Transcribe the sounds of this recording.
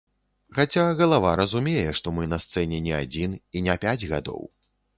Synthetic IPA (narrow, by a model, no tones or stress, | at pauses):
xat͡sʲaɣɐlˠavaɾɐzumʲejɛʂt̪ɔmɨnɐst̪sɛnʲɛnʲɛad͡zʲininʲɛpʲad͡zʲɣa̰d̪ɔ̰w